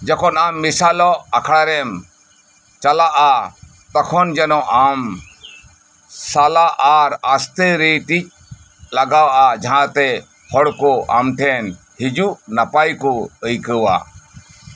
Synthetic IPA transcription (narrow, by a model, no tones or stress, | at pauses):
d͡ʒɛkʰɔnamːisalɔakʰɽaɾɛm | t͡ʃalaʔa | t̪akʰɔnd͡ʒɛnɔʔam | salaʔaɾast̪eɾiʈit͡ʃ̚ | laɡawaʔad͡ʒaɦãt̪ɛ | hɔɽkɔʔa̰mʈʰɛn | hid͡ʒuʔnapajkɔəjkəwa̰